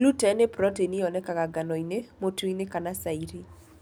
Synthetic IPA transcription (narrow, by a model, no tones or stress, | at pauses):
lutɛnepɾɔteniɔnɛkakaɡanɔinemotuinekanasaiɾi